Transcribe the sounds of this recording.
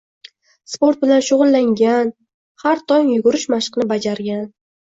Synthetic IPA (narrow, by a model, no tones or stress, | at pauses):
spo̞ɾt̪̚bɪlanʃʊʁʊlˠːaŋɡʲan | haɾt̪ʰɒŋjʊɡʊɾɪʃmaʃqnɪbad͡ʒaɾɡʲan